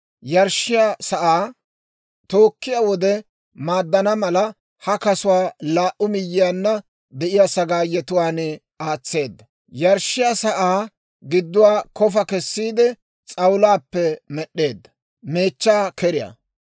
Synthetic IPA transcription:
jɐɾʃːɪjasɐʔaː | t̪o̞ːkːɪjawɔd̪ɛ | maːd̪ːɐnɐmɐlɐ | hɐkɐsʊwaːlaːʔʊmɪjːɪjaːnːɐ | d̪ɛʔɪjasɐɡaːjɛt̪ʊwaːn | aːt͡sːe̞ːd̪ːɐ | jɐɾʃːɪjasɐʔaː | ɡɪd̪ːʊwaːkɔfɐkɛsːiːd̪ɛ | t͡sʼɐwlaːpːɛmɛɗːe̞ːd̪ːɐ̥ | me̞ːt͡ʃːaːkɛɾɪja̰

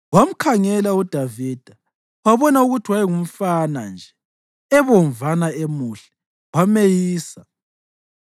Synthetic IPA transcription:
wam̩kʰaŋɛlaud̥ʱaviːd̥ʱa | waβɔnauɣutʰiwajɛŋum̩fana̰nd͡ʒʱɛ | ɛβɔɱvanaemuɬɛ̥ | wamejiːsa

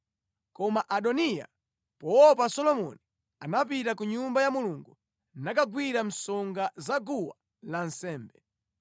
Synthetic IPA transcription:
kɔmaʔaɗɔnija̰ | pɔɔpasɔlɔmɔ̰ni | anap̬itakuɲumbajamuluŋɡu | nakaɡwiɾam̩sɔŋɡazaɡuwa | lan̩sɛːmbɛ

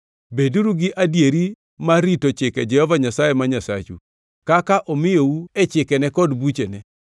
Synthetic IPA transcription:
beduɾuɡɪʔadjeɾi | maɾitot͡ʃɪkɛd͡ʒɛhɔvaɲasajemaɲasa̰t͡ʃṵ | kakaʔɔmɪjouet͡ʃɪkɛnɛkɔdbut͡ʃenɛ

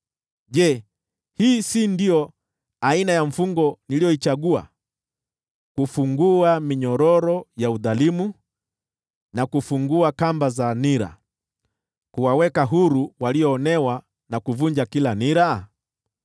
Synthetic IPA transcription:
ʄɛ | hiːsindijɔ | ainajaɱ̩fuŋɡɔnilijɔit͡ʃaɠua̰ | kufuŋɡuamiɲɔɾɔɾɔjauðalimu | nakufuŋɡuakambazaniɾa̰ | kuwawɛkaɦuɾuwaliɔːnɛwa | nakuvund͡ʒakilaniɾa

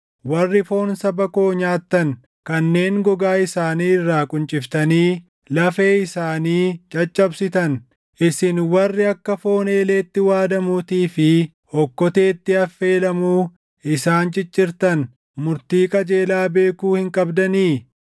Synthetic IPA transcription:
wɐrːɪfo̞ːnsɐbɐko̞ːɲaːt̪ːɐn | kɐnːe̞ːŋɡɔɡaːɪsaːniːɪrːaːkʼʊnt͡ʃʼɪft̪ɐniː | lɐfeːɪsaːniːt͡ʃʼɐt͡ʃʼːɐbsɪt̪ɐn | ʔɪsɪnwɐrːɪɐkːɐfo̞ːneːleːt̪ːɪwaːd̪ɐmut̪iːfɪ | hɔkːɔt̪eːt̪ːɪɐfːe̞ːlɐmuː | ʔɪsaːnt͡ʃʼɪt͡ʃʼːɪɾt̪ɐn | mʊɾt̪iːkʼɐd͡ʒe̞ːlaːbe̞ːkuːhɪŋkʼɐbd̪ɐniː

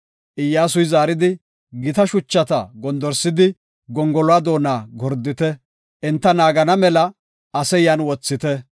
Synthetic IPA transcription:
ʔɪjːaːs̬ʊjzaːɾɪd̪ɪ | ɡɪt̪ɐʃʊt͡ʃːɐt̪ɐ̰ɡɔnd̪ɔɾsɪd̪ɪ | ɡɔŋɡɔlʊaːd̪o̞ːnaːɡɔɾd̪ɪt̪ɛ | ʔɛnt̪ːɐnaːɡɐnɐmɛlɐ | ɐsɛjɐnwɔt͡sːɪt̪ɛ

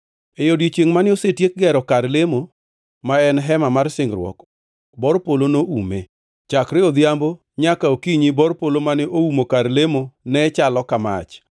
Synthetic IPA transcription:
ejodit͡ʃeŋmanɪosetjek̚ɡɛɾɔkaɾlemo | maɛnɦɛmamarsɪŋɾwɔ̰k | bɔɾpolonoumḛ | t͡ʃakɾɪod̪jambo | ɲakaokiɲibɔrpolomanɪʔoumokaɾlemonɛt͡ʃalɔkama̰t͡ʃ

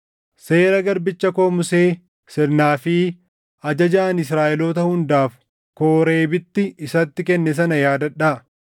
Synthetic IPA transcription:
se̞ːɾɐɡɐɾbɪt͡ʃːɐko̞ːmʊse̞ː | sɪɾnaːfɪ | ɐd͡ʒɐd͡ʒaːnɪs̬ɾaːʔɪloːt̪ɐhʊnd̪aːf | koːɾe̞ːbɪt̪ːɪɪsɐt̪ːɪkɛnːɛs̬ɐnɐjaːd̪ɐᶑːaː

